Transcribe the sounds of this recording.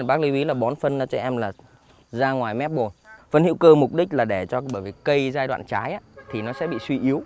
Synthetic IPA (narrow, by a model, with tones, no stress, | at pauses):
ɓaː˦˥k̚li˨˦wʔi˨˦laː˨˩ɓɔ˨˦nfə˧naː˧t͡ɕɔ˧ʔɛ˧mlaː˨˩ | zaː˧ŋwaː˨˩jmɛ˦˥p̚ɓo˨˩nfə˧nhḭ˧˥wkəː˧mʊ˨˩k͡p̚ɗï˦˥laː˨˩ɗe˧˩t͡ɕɔ˧ɓəː˧˩jvi˨˩kə˧jzaː˧jɗwa̰ː˧˨nt͡ɕaː˨˦jʔaː˨˦t̪ʰi˨˩nɔ˨˦sɛ̰˧˥ɓḭ˧˨swi˧ʔi˨˦əw